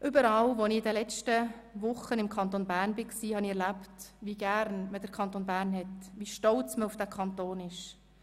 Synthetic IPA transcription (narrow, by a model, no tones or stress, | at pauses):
ʔʏbəɾɑlʋɔnɪɪdəlɛt͡ʃtəʋʊχənɪmkʰɑnt̪onbæːrnbɪksiːhɑniɛɾlæptʋiɡæɾnməd̥əɾkʰɑnt̪onbæːɾnɦɛtʋiʃtɔlt͡sməʊfd̥ækʰχɑnt̪oːnɪʃ